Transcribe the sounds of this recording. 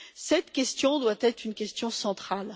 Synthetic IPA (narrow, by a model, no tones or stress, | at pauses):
sɛt̪kʲɛst̪jɔ̃d̪wat̪ɛt̪χynkʲɛst̪jɔ̃sɑ̃t̪χal